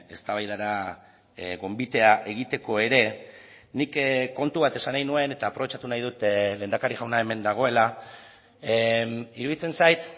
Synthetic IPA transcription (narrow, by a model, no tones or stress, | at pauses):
e̞st̪aβajðaɾa | ɣo̞mbit̪e̞aʔe̞ɣ̞it̪e̞ko̞e̞ɾe̞ | nikko̞nt̪uβat̪e̞sanajnue̞ne̞t̪aːpɾo̞βe̞t͡ʃat̪unajð̞ut̪le̞ːnd̪akaɾiɣawnae̞me̞nd̪aɣ̞o̞e̞la | iɾuðit͡se̞nsajt̪